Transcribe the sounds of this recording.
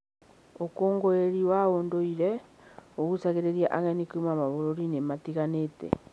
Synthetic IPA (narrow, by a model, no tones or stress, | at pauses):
okoːŋɡoeɾiwaoːndoiɾɛ | oɣusaɣeɾeɾiaʔaɣɛnikoimamaβoɾoɾinematiɣanetɛ̰